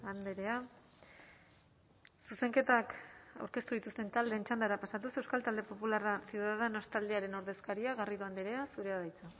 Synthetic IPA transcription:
and̪eɾe̞a | suse̞ŋke̞t̪aka̰wɾke̞st̪uðit̪ust̪e̞nt̪ald̪e̞ːnt͡ʃand̪aɾapasat̪use̞wskalt̪ald̪epo̞pularasjuðaðeno̞st̪ald̪eaɾe̞no̞ɾðe̞skaɾiaɣariðuand̪eɾe̞asuɾe̞aðajt͡sa

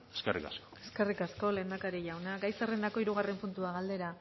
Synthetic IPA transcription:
e̥skerḭka̰skoe̞skerikasko̞leːnd̪akaɾiʎawnaɡajserend̪ako̞iɾuɣ̞are̞mpunt̪uaɣald̪e̞ɾa

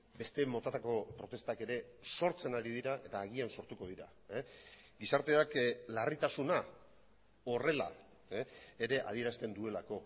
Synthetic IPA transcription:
be̞st̪e̞mo̞t̪at̪ako̞pɾo̞t̪e̞st̪ake̞ɾe̞so̞ɾt͡se̞naɾið̞iɾaʔe̞t̪aːɣ̞ianso̞ɾt̪uko̞ð̞iɾa̰ | ɡisaɾt̪e̞aklarit̪asuna | o̞re̞la̰ | e̞ɾe̞ʔa̰ðie̞ɾast̪e̞nd̪ue̞lako̞

